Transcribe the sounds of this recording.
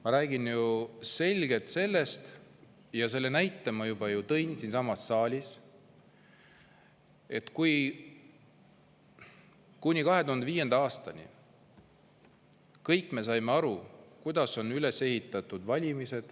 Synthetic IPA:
mɑɾæːɡinjuse̞lʲɡ̥e̞t̪se̞lːe̞st̪ | jɑse̞lːe̞næjt̪ːˑɑmɑjub̥ɑjut̪ɤ̞jnsinsɑmɑsːɑːlʲis | e̞t̪kuj | kunʲikɑɦe̞t̪uhɑnd̪eviːje̞nd̪̥ɑɑːst̪ɑnḭ | kɤjkːˑme̞s̬ɑjmeɑɾukujd̪ɑso̞nːyle̞se̞hit̪ːˑɑt̪ːˑud̪̥vɑlʲimise̞d̪̥

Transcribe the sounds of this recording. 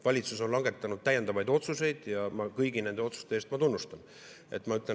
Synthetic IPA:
vɑlʲit̪suso̞nlɑŋɡe̞t̪ːˑɑnud̪̥̚t̪æje̞nd̪ɑvɑjd̪̥o̞t̪suse̞jd̪̥jɑmɑkɤjɡ̥inend̪eot̪su̥st̪e̞est̪mɑt̪unːust̪ɑn | e̞t̪ːˑmɑyt̪ːˑlen

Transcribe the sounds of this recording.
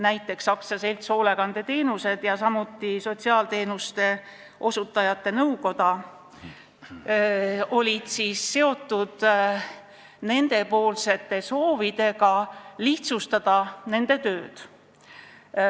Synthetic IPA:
næjt̪ˑːe̞ksːɑksɑse̞lt̪so̞ːle̞ɡ̥ɑnd̪̥e̞t̪e̞ːnuse̞d̪̥jɑsɑmut̪ːˑiso̞t̪siɑːlt̪e̞ːnust̪e̞ | ʔo̞sut̪ːˑɑjɑt̪ːe̞nɤwko̞d̪̥ɑ | o̞lʲid̪̥siːsse̞o̞t̪ˑːud̪̥ | ne̞nd̪e̞po̞ːlse̞t̪ːˑe̞so̞ːvid̪̥e̞ɡɑliht̪sust̪ɑd̪̥ɑne̞nd̪̥e̞t̪ø̞ːd̪̥

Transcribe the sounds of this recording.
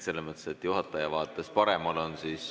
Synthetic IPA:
se̞lːemɤt̪ːˑeset̪juɦɑt̪ːˑɑjɑvɑːt̪ːˑespɑɾe̞mɑlo̞nsiːs

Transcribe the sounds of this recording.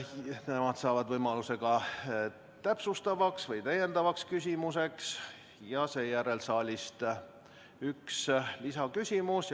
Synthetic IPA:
ne̞mɑd̪̥sɑːvɑd̪̥vɤjmɑluse̞ɡ̥ɑ | t̪æpsust̪ɑvɑksvɤjt̪æje̞nd̪ɑvɑkskysʲimuse̞ks | jɑse̞ːjæɾe̞lsɑːlʲist̪ | ykslisɑkysʲimus

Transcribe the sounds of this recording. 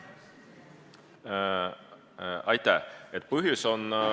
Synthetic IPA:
ɑjt̪ˑæhet̪̚ːˑpɤɦjuso̞n

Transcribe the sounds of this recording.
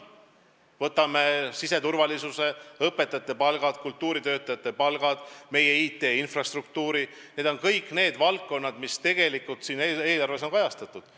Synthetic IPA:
vɤt̪ːˑɑmesise̞t̪urvɑlisuse̞ɤpːˑe̞t̪ːˑɑjɑt̪ːˑe̞pɑlɡ̥ɑd̪̥kult̪ːˑuːɾit̪ø̞ːt̪ːˑɑjɑt̪ːˑe̞pɑlɡ̥ɑd̪̥me̞jeiːt̪ːˑe̞ːinfrɑst̪ruk̚t̪uːɾi | ne̞ːd̪̥o̞nkɤjkne̞ːd̪vɑlkːo̞nːɑd̪̥mist̪e̞ɡ̥e̞likːˑult̪siːnee̞ːlɑrve̞s̬o̞ŋkɑjɑst̪ɑt̪ːˑud̪̥

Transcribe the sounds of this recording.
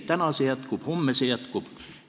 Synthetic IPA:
t̪ænɑsejɑt̪kuphomːesejɑt̪kup

